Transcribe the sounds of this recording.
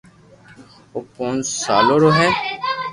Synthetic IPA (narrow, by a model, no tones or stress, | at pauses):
oːpõːnd͡ʒsaːloːɾoːɦɛː